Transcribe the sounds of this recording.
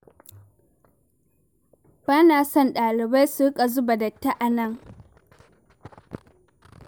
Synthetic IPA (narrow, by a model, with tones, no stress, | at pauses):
b̥aː˦naː˨sɔ˦˨nɗaː˨lɪ˨ba˦jsu˦kʼa˨zʊ˦ba˨dɐ˨tːa˦ʔa˨nɐ˦˨ŋ